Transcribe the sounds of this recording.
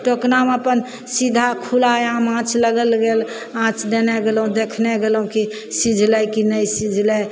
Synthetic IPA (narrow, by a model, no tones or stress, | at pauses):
ʈoknaməpən | sid̪ʱakʰulaeamãt͡ʃʰləɡəlɡel | ãt͡ʃʰd̪enɛɡelɦũd̪ekʰnɛɡelɦũki | sid͡ʒʱlɛkinəjsid͡ʒʱlɛ